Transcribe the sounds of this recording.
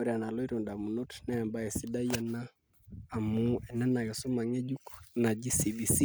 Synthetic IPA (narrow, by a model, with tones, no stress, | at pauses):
ɔ˦ɾia˨na˨lɔ˦i˦ɾɔ˨nda˨mu˨nɔ˦tnɛ˦a˨mba˦ɛ˨si˦ɗa˦i˦a˦naː˦˨ | muɛ˨nɛ˦na˨jɔ˨su˦ma˨ŋɛ˦d͡ʒu˦kna˨d͡ʒi˦sibi˨si˦